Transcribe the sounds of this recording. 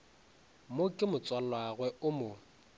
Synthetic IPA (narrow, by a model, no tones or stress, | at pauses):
mʊkʼɪmʊt͡sʼwal̩lwaɣwɛʊmʊ